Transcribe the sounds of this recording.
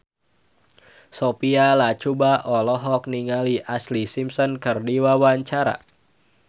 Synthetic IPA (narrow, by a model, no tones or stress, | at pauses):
sopialat͡ʃubaʔɔlɔɦɔk̚niŋaliʔaslisimsɔnkɨrdiwawaɲt͡ʃaɾa̰